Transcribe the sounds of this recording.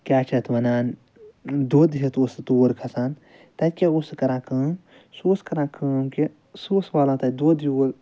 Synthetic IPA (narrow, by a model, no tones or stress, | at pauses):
kʲaːt͡ʃʰɐt̪ʋɐnaːn | d̪oːd̪iɦɐt̪ost̪oːɾkʰɐsaːn | t̪ɐt̪ʲkʲeoskɐɾãːkəːm | suːskɐɾãːkʰəːmki | suːsʋaːlãːt̪ɐd̪oːd̪ioːɾ